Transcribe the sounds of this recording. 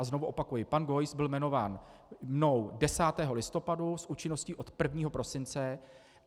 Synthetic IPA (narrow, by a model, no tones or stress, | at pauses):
azno̞vuʔo̞pakujɪpanɡo̞jsbɪlmɛno̞vaːnmno̞wdɛsaːt̪ɛːɦo̞lɪst̪o̞padusʔuːt͡ʃɪnosciːʔo̞t̪pr̩vɲiːɦo̞pɾo̞sɪnt͡sɛ